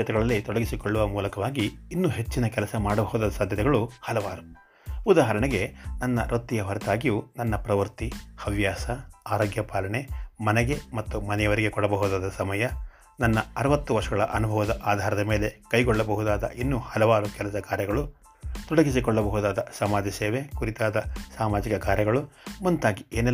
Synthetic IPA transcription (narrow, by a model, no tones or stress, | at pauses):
ɐt̪ɛɡɐɭɐlːit̪ɔɽɐɡisikɔɭːuʋɐmuːlɐkɐʋaːɡiːnːuɦe̞t͡ʃːinɐkɛlɐsɐmaːɽɐbɐɦud̪aːd̪ɐsaːd̪ʱjɐt̪ɛɡɐɭuhɐlɐʋaːɾu | ud̪aːɦɐɾɐɳɛɡe̞nɐnːɐɾʔot̪ːijɐʋɐɾɐt̪aːɡijunɐnːɐpɾɐʋɐɾt̪ihɐʋjaːsɐaːɾoːɡjɐpaːlɐɳemɐnɛɡe̞mɐt̪ːumɐnɛjɐʋɐɾiɡe̞kɔɽɐbɐɦud̪aːd̪ɐsɐmɐjɐ | nɐnːɐɐɾɐʋɐt̪ːuʋɐɾʂɐɡɐɭɐʔɐnubʱɐʋɐd̪ɐʔaːd̪ʱaːɾɐd̪ɐme̞ːle̞kɐjɡɔɭːɐbɐɦud̪aːd̪ɐ̰ʔinːuːhɐlɐʋaːɾukɛlɐsɐkaːɾjɐɡɐɭu | t̪uɽɐɡis̬ikɔɭːɐbɐɦud̪aːd̪ɐsɐmaːd̪ʱiseːʋe̞kuɾit̪aːd̪ɐsaːmaːd͡ʒikɐkaːɾjɐɡɐɭumunt̪aːɡieːnɛ